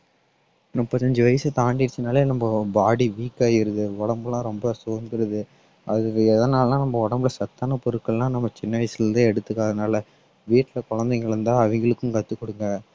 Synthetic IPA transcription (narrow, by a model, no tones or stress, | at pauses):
ɾɔpːɐt̪ːɐɲd͡ʒɯʋɐjɐsɯt̪aːɳɖɪɪɾt͡ʃːɯnaːlenɐmbɐbaːɽiʋiːkːaːjɪɾɯðɯɔɽɐmbɐlãːɾɔmbɐsoːnd̪ɪɾɐðɯ | ɐðɯɛðɐnaːllãːnɐmbɐɔɽɐmbɪlɐsɐt̪ːaːnɐpɔɾɯkːɐɭlãːnɐmːɐt͡ʃɪnːɐʋɐɪsɯɾɯnd̪ɯ̃ɛɽɯt̪ːɯkːaːɣðɯnaːlɐ | ʋiːʈːɪlɐkɔɻɐnd̪ɛŋɡɐɭɾɯnd̪ãːɐʋɐŋɡɐɭɯkːɯmkɐt̪ːɯkːɔɽɯŋɡɐ